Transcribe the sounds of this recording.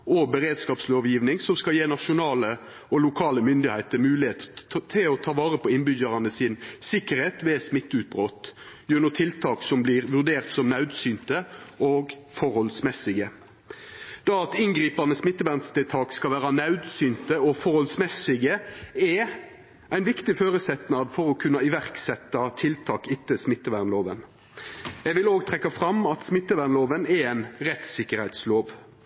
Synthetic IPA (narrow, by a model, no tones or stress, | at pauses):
ɔbəɾeːd̪skɑːpsloːʋjiːʋnɪŋsɔmskɑljeːnɑʂʊnɑːlə | ɔlʊkʰɑːləmʏnd̪ɪhæɪt̪əmʉːlɪheːt̪ət̪ʰɪlɔt̪ʰɑːʋɑːʁəpʰɔɪnbʏɟəʁɑnəsɪnsɪkːəʁheːt̪ʋɛsmɪt̪ːʉt̪̚bʁoːt̪ | jʉnət̪ʰɪlt̪ʰɑːksɔmblɪʁʋʉʁd̪eːʁt̪sɔmnɑʉd̪syːnt̪əoːɡ | fɔɾhɔlsmɛsɪɡə | d̪̥ɑɑt̪ɪŋɡɾiːpɑnəsmɪt̪ːəʋæʁnst̪ət̪ʰɑːkskɑlʋæːɾɑnɑʉd̪syːnt̪əɔfɔʁhɔlsmɛsɪɡəɛ | æɪnʋɪkt̪ɪføːɾəsɛt̪nɑd̪fɔɾɔkʰʉnːɑɪʋæʁksɛt̪ːɑt̪ʰɪlt̪ʰɑːkɪt̪ːəsmɪt̪ːəʋæʁnloːʋən | jɛʋɪloːɡt̪ʰʁɛkːɑfʁɑmɑt̪smɪt̪ːəʋæʁnloːʋənɛæɪnʁɛt̪sɪkːəʁhɛɪt̪sloːʋ